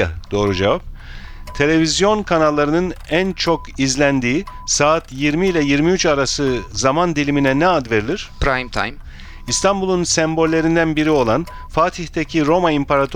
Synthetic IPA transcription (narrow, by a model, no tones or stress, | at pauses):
a̰d̪̥o̞ːɾud͡ʒevap̚t̪ʰe̞lʲe̞vizjo̞nkʰanalˠːaɾɯnɯnænt͡ʃʰo̞kizlʲænd̪iːsaːt̪jiɾmiilʲɛjiɾmiyt͡ʃaɾasɯzamand̪ilʲiminɛnɛad̪ve̞ɾilʲiɾ̥pɾajmt̪ʰa̰jm | ist̪ʰambulˠunsæmbo̞lʲːe̞ɾind̪ænbiɾio̞lˠan | faːt̪ʰihd̪ecʰiɾo̞maimpʰaɾat̪ʰ